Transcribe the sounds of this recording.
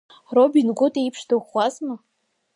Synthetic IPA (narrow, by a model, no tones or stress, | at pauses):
robinɡʷʊtʼejipʰʂdɨχʷazma